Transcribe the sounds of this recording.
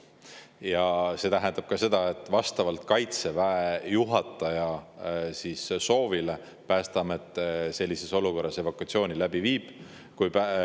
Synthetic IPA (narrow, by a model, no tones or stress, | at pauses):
jɑse̞ːt̪æɦend̪ɑb̥̚kɑse̞d̪̥ɑe̞t̪ːˑvɑst̪ɑvɑlt̪kɑjt̪se̞væejuɦɑt̪ːˑɑjɑsisso̞ːvile̞ | pæːst̪ɑmet̪ːˑse̞lʲːise̞so̞luko̞rːɑse̞vokˑuɑt̪sio̞ːnilæb̥iviːb̥ | kujpæ